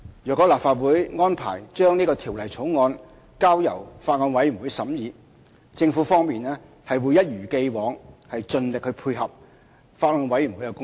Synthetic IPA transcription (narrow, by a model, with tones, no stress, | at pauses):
jœː˨kːɔː˨˥laː˨pfaː˧t̚wuː˨˥jŋɔː˥npʰa̰ː˨˩jt͡ʃœː˥ŋniː˥kɔː˧t̪ʰiː˨˩wlɐ˨jt͡sʰo˨˥wŋɔː˧n | kaː˥wjɐ̰˨˩wfaː˧t̚ŋɔː˧nwɐ˨˥jy˨˩nwu˨˥jsɐ˨˥mjiː˨˧ | t͡sɪ˧ŋfu˨˥fɔː˥ŋmiː˨nɛː˥ | hɐ˨jwuː˨˧jɐ˥t̚jyː˨˩ke˧jwɔː˨˧ŋhɐ˨jt͡sɵ˧nlɪ˨k̚hɵ˨˧ɥpʰuː˧jɦɐ˨p̚ | faː˧t̚ŋɔː˧nwɐ˨˥jy˨˩nwuː˨˥jkɛ˧kʊ˥